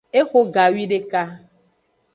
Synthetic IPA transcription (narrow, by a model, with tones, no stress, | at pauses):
e˦xo˦ɡa˨wi˦ɖe˦ka˦